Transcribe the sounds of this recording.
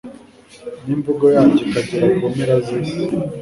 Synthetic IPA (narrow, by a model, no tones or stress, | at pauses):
niːmbuɡojaːɲɟekaɟiɾakomeɾazis